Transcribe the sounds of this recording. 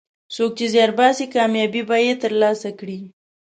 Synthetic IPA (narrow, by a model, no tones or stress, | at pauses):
sok̚t͡ʃezjɑɾbɑsikɑmjɑbibɑjet̪əɾlɑsakɽi